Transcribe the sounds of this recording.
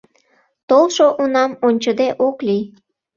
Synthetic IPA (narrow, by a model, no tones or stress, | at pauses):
t̪olʃoʔunɑmonʲt͡ɕəd̪eʔoklij